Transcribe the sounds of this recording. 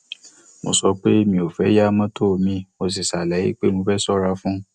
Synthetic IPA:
mo̰˧sɔ˧k͡pe˦mĩ˧˦o˨fɛ˨˦ja˦mã˦tʰo˦˨mĩ˧˦˨mo˧s̬i˨sa˨lɛ˨˦jḭ˦k͡pe˦mõ˧fɛ˦sɔ˦ɾa˧fũ˦

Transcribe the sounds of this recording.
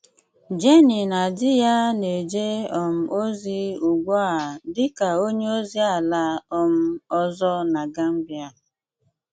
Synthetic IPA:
d͡ʒe˦ni˨na˨dɪ˦ja˦ne˨d͡ʒe˦ɔ˨m̩˨o˦zi˦u˨ɡʷɔ˦a˨dɪ˦ka˨o˦ɲe˦o˦zi˦a˦˨la˦ɔ˦m̩˦ɔ˦zɔ˦na˨ɡa˦m̩˦bja˦˨

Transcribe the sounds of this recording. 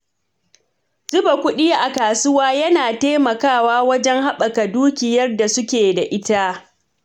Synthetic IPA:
d͡ʒɪ˦ba˨kʷʊ˦ɗiː˦ʔa˨kaː˨sʊ˦waː˦jɐ˦naː˨teː˦mɐ˨kaː˦˨waː˦wɐ˦d͡ʒɛ˦ŋɦa˦ɓɐ˨ka˨duː˦kʲɪ˨jɐ˦rda˨sʊ˦kʲeː˨da˨ʔɪ˦ta˦

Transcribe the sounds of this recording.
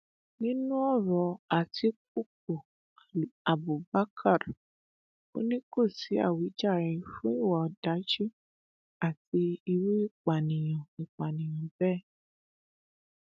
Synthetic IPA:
nĩ˦nũ˦ɔ˦˨ɾɔ˨a˨ti˧˦k̚u˦˨k̚o˨ | a˨bu˨ba˦kʰa˦˨ɾ | o̰˦nĩ˦ko˦˨si˨˦a̰˦˨wi˨˦d͡ʒa˦˨ɾɛ˨fũ˦i˦˨wɔ˨ɔ˨da˨˦d͡ʒi˦ | a˦˨ti˧i˧we˦i˦˨k͡pa˨nĩ˨j̃ɔ̃˨i˨k͡pa˨nĩ˨j̃ɔ̃˨bɛ˦˨

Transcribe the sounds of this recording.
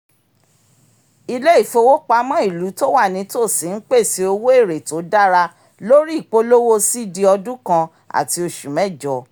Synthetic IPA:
i˧le˦i˦˨fo˧wo˦k͡pa˨˦mã˦i˦˨lu˨˦to˦wa˦˨nĩ˨˦to˦˨si˨˦n̩˦k͡pe˦˨si˧o˧wo˦e˦˨ɾe˨to˨˦da˦ɾa˧ | lo˦ɾi˦˨k͡po˦lo˦wo˦si˦di˧˦ɔ˧dũ˦kã˧ | a̰˨ti˧o˧ʃu˨mɛ̃˦˨d͡ʒɔ˨˦

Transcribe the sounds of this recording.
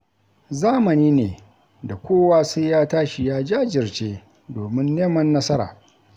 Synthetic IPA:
zaː˦mɐ˨niː˦neː˨ | da˨kʷoː˦waː˦sʊ˦jjaː˦taː˦ʃi˨jaː˦d͡ʒaː˦d͡ʒɪ˨rt͡ʃeː˦ | doː˨mɪ˦nːeː˦mɐ˦nːɐ˦sɐ˦ɾa̰ː˨

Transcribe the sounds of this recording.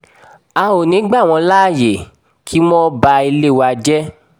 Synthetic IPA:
a˧o˨nĩ˨˦ɡ͡ba˦˨w̃ɔ̃˧la˦˨je˨ | kʰi˦mɔ̃˦ba˧i˧le˦˨wa˧d͡ʒɛ˦

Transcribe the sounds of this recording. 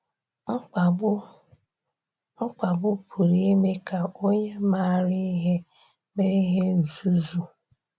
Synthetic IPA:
m̩˦k͡pa˨bʊ˦pʰu˨ɾi˦me˦ka˨o˦ɲe˦ma˦˨ɾi˦i˦ɦe˦ | me˦ɾi˦ɦe˦n̩˨zu˦zu˦

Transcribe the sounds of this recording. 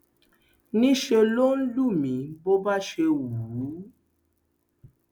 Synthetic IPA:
nĩ˦ʃe˧lo˦n̩˦lu˦˨mĩ˨˦bo˦ba˦ʃe˧wu˨u˨˦

